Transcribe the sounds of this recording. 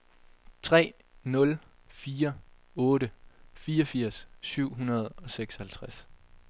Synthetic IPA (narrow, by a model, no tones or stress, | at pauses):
t͡sʰʁɛ̰ː | nɔ̽l | fiːɐ | ɔ̽ːɾəfiːɒfiɐ̰sːyʊ̰ɦunɐð̞ˠɒ̽seɡ̥sɒ̽hælt͡sʰʁas